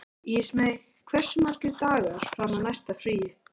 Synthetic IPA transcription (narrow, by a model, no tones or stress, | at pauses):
ɪsmej | kʰvɛr̥sʏmaːcʏt̪aːɣaɾ̥framanajst̪afɾiːjɪ